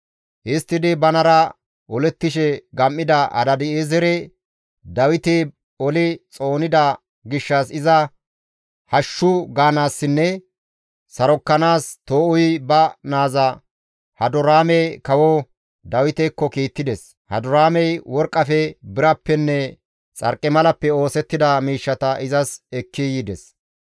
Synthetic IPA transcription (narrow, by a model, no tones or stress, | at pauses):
ʔɪst̪ːɪd̪ɪbɐnɐɾɐ | ʔɔlɛt̪ːɪʃɛɡɐmːɪd̪ɐɐ̰d̪ɐd̪ɪeːzɛɾɛ | d̪ɐwɪt̪ɪ | ɔlɪt͡sʼo̞ːnɪd̪ɐ | ɡɪʃːɐsɪzɐ | hɐʃːʊɡaːnaːsːɪnːɛ | sɐɾɔkːɐnaːst̪o̞ːʔʊjbɐnaːzɐ | hɐd̪ʊɾaːmɛkɐwɔ | d̪ɐwɪt̪ɛkːɔkiːt̪ːɪd̪ɛs | hɐ̰d̪ʊɾaːmɛjwɔɾkʼːɐfɛbɪɾɐpːɛnːɛ | t͡sʼɐ̰ɾkʼɪmɐlɐpːɛo̞ːsɛt̪ːɪd̪ɐmiːʃːɐt̪ɐʔɪzɐsɛkːɪjɪd̪ɛs